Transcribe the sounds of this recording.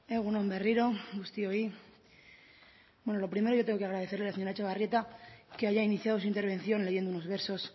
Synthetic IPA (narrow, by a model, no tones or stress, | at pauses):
eɣunõmbe̞riɾo̞ɡust̪ioi | bwe̞nolo̞pɾime̞ɾo̞ʝoe̞ŋɡo̞keaɣɾaðe̞θelelaseɲoɾat͡ʃeβarje̞t̪akeaʝainiθjaðo̞s̬uint̪eɾβ̞ẽ̞nθjo̞nle̞ʝe̞nd̪ouno̞zβe̞ɾso̞s